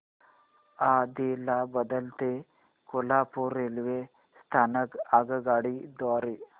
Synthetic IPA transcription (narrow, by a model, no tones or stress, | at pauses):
aːd̪ilabɐd̪ɐlt̪e | kolaːpuɾelʋe | st̪ʰaːnɐkaɡɐɡaːɽid̪ɔːɾi